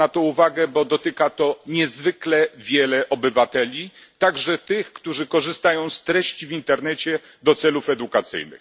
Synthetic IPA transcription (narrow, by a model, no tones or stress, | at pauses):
at̪ɔuvaɡɛbɔd̪ɔt̪ɘkat̪ɔɲɛzvɘklɛvʲjɛlɛʔɔbɘvat̪ɛlʲit̪aɡʐɛt̪ɘxkt̪uʐɘkɔʐɘst̪ajɔ̃w̃st̪ɾɛɕt͡ɕivʲint̪ɛɾnɛt͡ɕɛ | d̪ɔt̪sɛlufɛd̪ukat̪sɘ̰jnɘ̰x